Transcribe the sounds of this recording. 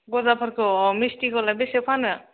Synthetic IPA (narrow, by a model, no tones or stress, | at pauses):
ɡɔzapʰaɾkʰɯmistikɔlabesepʰanɯ